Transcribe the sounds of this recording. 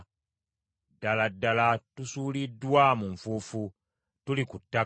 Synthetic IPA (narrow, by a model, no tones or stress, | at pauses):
daladalatusulidwamuɱfufu | tulikutːa